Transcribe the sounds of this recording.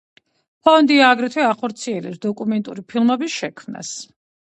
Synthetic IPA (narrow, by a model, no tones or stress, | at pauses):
pʰɔnd̪iaɡɾɛt̪ʰwɛaχɔɾt̪sʰiɛlɛ̰psd̪ɔkʼumɛnt̪ʼuɾipʰilˠmɛbisʃɛkʰmna̰s